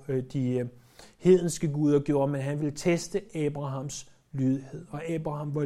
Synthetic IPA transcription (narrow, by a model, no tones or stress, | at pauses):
d̥i | he̝ð̰ˠn̩sɡ̥əɡuːð̞ˠɐɡ̥jo̝ɐ̰menɦænʋe̝lt͡sʰesd̥əʔɛːb̥ʁɑ̈ɦɑ̈ms | lyːðˠhe̝ð̰ˠɒ̽ɛːb̥ʁɑ̈hɑ̈mʋɑ